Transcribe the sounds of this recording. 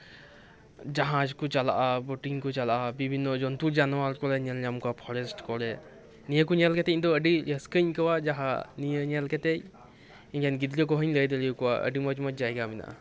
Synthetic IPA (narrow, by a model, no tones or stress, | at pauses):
d͡ʒaɦãd͡ʒkut͡ʃala̰ʔabɔʈiŋkut͡ʃalaʔabibʱinːɔd͡ʒɔnt̪uɾd͡ʒanɔwaɾkɔlɛɲalɲamkɔapʰɔɾesʈkɔlɛ | nijəkuɲɛlkɛt̪ɛid̪ɔəɖiəskəɲkɔwad͡ʒaɦãnijəɲalkɛt̪ɛj | iɡanɡid̪lijɔk̬ɔɦəɲləjd̪elijkɔwaʔə̰ɖimɔd͡ʒmɔd͡ʒd͡ʒajɡamina̰ʔa̰